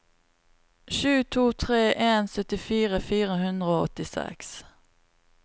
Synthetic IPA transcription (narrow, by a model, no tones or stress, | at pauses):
ʃʉːt̪ʰuːt̪ʰʁeːʔeːnsœt̪ɪfiːʁəfiːʁəhʉnd̪ʁəoːɔ̰t̪ɪsɛ̰ks